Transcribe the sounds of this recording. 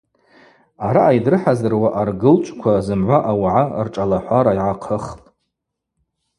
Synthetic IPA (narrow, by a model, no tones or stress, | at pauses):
aɾaːjdrɨħazɨrwaʔarɡɨlt͡ʃʷʼkʷʰazɨmʕʷaʔawaʕarʈ͡ʂʼalaħʷaɾaiʕaqʰəχpʼ